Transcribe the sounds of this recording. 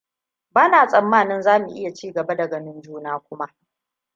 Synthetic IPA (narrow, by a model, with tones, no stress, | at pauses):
baː˦naː˨sʼɐ˨mːaː˦˨nɪ˦nzaː˦mu˨ʔɪ̰˦ja˨t͡ʃiː˦ɡɐ˨ba˦dɐ˨ɡɐ˨nɪ˦nd͡ʒuː˦naː˦kʷʊ˦ma˦ʔ